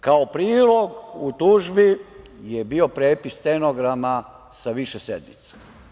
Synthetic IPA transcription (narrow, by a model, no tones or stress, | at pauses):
kaopɾiːlo̞ɡut̪uʒbi | jebio̞pɾeːpist̪enoɡɾama | saʋiʃesḛd̪mḭt̪se̥